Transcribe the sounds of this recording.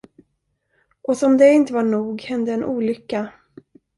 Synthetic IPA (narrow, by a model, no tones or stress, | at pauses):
ʔɔsɔmd̪ɛɪnt̪əvaɳuːɡhɛnd̪əːnʔuːlʏkːa